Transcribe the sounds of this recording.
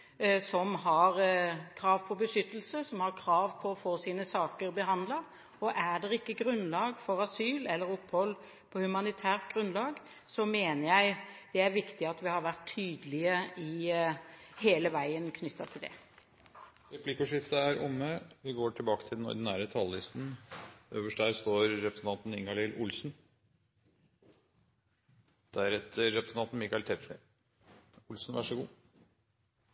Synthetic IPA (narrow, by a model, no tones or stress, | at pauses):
sɔmɦɑɾkʰɾɑːʋpʰɔbəʂʏt̪ːəlsəsɔmhɑɾkʰɾɑːʋpʰɔɔfoːsiːnəsɑːkəɾbəɦɑnd̪lɑ | ɔʔædɖɛɾɪkːəɡɾʉnlɑːɡfɔɾɑsyːlɛlːəɾɔpːhɔlː | pʰɔhʉmɑnɪt̪ʰæːʁt̪ɡɾʉnlɑːɡ | sɔmeːnəɾjæɪd̪̥ɛæɾʋɪkt̪ɪɑt̪ʋɪhɑɾʋæt̪ʰːyːd̪əlɪəɪ | heːləʋæɪənkʰnʏt̪ʰːɑt̪ʰɪld̪ɛ̰ | ɾɛpʰlɪkəʂɪft̪əæɾʊmːəʋɪɡoːʈʰɪlbɑːkə̥t̪ʰɪld̪ɛnɔ̰ɾd̪ɪnæːɾət̪ʰɑlːɪst̪n̩ʔøːʋəʂʈd̪æɾst̪oːɾɾɛpɾəsn̩ʰɑnt̪n̩ɪŋɑlɪlʔʊlsn̩ | d̪̥æɾɛt̪ʰːəɾːɛpɾəsən̩ʰɑnt̪n̩mɪkɑɪlt̪ʰɛp̪ʂnɪ̰ | ʊlsn̩ʋæʂɔɡuː